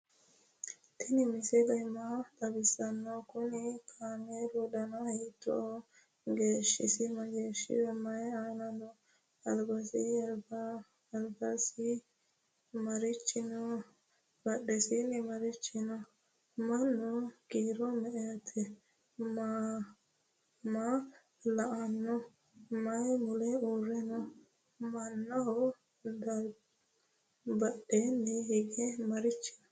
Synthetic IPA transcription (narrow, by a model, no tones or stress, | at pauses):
t̪ʰɛnɪmɪsɛd̪ɐjmad̪ɐbɪsɐnːɔkʊnɪkʰaːmeɾɔd̪ɐnɐjɪt̪ːɔ̰ | ɡeːʃːɪ̰sɪmɐɡe̞ːʃːɪ̰wɛmɐjaːnɐnɔ | ɐlbɐsɪɐbɐ | ɐlbɐsɪ | mɐɾɪt͡ʃːɪnɔ | bɐɗɛsɪnɛmɐɾɪt͡ʃːɪnɔ | mɐnːɔkiːɾɔmɛʔɛjɐt̪ʰɛ | ma | ma | lɐʔanːɔ | mɐjmʊlɛuːɾːɛnɔ | mɐnːɐhɔ | d̪ɐ | bɐɗɛnːɛhɪɡɛmɐɾɪt͡ʃːɪ̥nɔ